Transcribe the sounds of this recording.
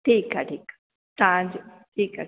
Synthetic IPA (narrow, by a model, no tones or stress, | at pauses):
ʈʰiːkaʈʰiːk | t̪ãd͡ʑ | ʈʰiːka̰